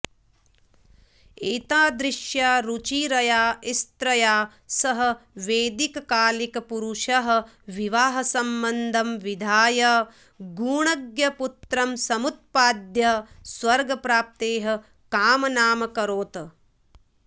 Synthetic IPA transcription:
eːt̪aːd̪ɾɪʃjaːɾut͡ʃiːɾɐjaːist̪ɾɐjaː | sɐɦɐ̆ʋeːd̪ikɐkaːlikɐpuɾuʃɐɦɐ̆ | ʋiʋaːɦɐsɐmbɐnd̪ʱɐmʋid̪ʱaːjɐ | ɡuːɳɐɡjɐput̪ɾɐmsɐmut̪̚paːd̪jɐsʋɐɾɡɐpɾaːp̚t̪eːɦɐ̆ | kaːmɐnaːmɐkɐɾoːt̪

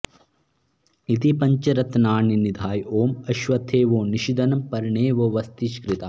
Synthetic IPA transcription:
it̪ipɐɲt͡ʃɐɾɐt̪naːɳinid̪ʱaːjoːmɐʃʋɐt̪ʰeːʋoːniʃid̪ɐnɐmpɐɾɳeːʋoːʋɐst̪iʃkɾit̪a

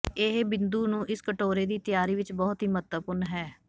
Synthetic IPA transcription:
eɦbɪnd̪uːnũːʔɪskəʈoːɾeːd̪iːt̪ɪjaːɾiːʋɪt͡ʃbɔːt̪ɦiːmət̪əpʊɾnɦɛː

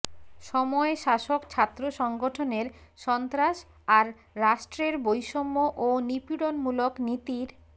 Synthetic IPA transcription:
ʃɔmɔeʃaʃokt͡ɕʰat̪ːɾoʃɔŋɡoʈʰoneɾʃɔnt̪ɾaʃ | aɾː | aʃʈɾeɾbojʃɔmːoʔonipiɽonmuloknit̪iɾ

